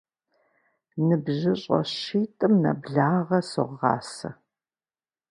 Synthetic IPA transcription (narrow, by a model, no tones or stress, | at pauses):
nɨbʑɪɕʼɐ̰ɕiːtʼɨmnɐ̰bɮaːʁɐsɨʁːɑ̰ːsɐ̰